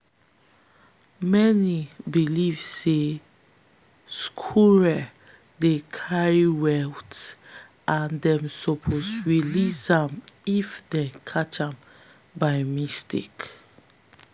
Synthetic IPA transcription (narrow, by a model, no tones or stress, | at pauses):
mɛnibilivse | skʰuɹɛ | dekʰaɹiwɛlt | ʔãndɛ̃msɔpʰoswilisãmifdɛ̃kʰat͡ʃãm | baɪmistḭk